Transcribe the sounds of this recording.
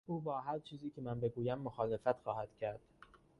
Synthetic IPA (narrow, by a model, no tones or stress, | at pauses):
ʔuːbɒːɦæɾt͡ʃʰiːziːcʰe̞mænbe̞ɡuːjæmːoxɒːle̞fæt̪xɒːhæd̪̥cʰæɾd̪̥